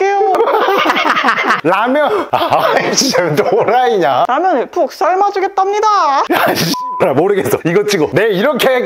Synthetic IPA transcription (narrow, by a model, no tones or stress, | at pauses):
k͈ejo | namjʌnaɕʰid͡ʑʰemnt͡ɕomoɾaiɲanamjʌnpʰok̚s͈aɭmad͡ʑoɡet͈ʌmɲidajaɾamoɾɯɡes͈ʌiɡʌt͡ɕʰiɡone̞iɾʌkʰe̞